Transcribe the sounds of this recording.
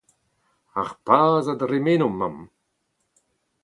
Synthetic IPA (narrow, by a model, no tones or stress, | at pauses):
axpʰaːzad̪ɾemenʊmːa̰m